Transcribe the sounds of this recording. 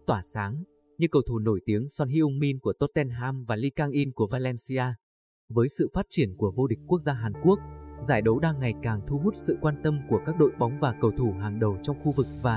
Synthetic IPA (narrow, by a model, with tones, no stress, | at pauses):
t̪waː˧˩saː˨˦ŋ | ɲɨ˧kə˨˩wt̪ʰu˧˩no˧˩jt̪i˨˦əŋsɔ˧nɦi˧ʔʊ˧ŋ͡mmi˧nku˧˩ət̪o˦˥t̚t̪ɛ˧nɦaː˧mvaː˨˩li˧kaː˧ŋʔi˧nku˧˩əvaː˧lɛ˧nsi˧ʔaː˧ | vəː˨˦jsɨ̰˧˨faː˦˥t̚t͡ɕi˧˩ənku˧˩əvo˧ɗï˨˩k̟̚ku˦˥ək̚zaː˧ɦaː˨˩nku˦˥ək̚zaː˧˩jɗə˨˦wɗaː˧ŋːa˨˩jkaː˨˩ŋt̪ʰu˧ɦu˦˥t̚sɨ̰˧˨kwaː˧nkt̪ə˧mku˧˩əkaː˦˥k̚ɗo̰˧˨jɓa˨˦wŋ͡mvaː˨˩kə˨˩wt̪ʰu˧˩ɦaː˨˩ŋɗə˨˩wt͡ɕɔ˧wŋ͡mxu˧vɨ˨˩k̚vaː˨˩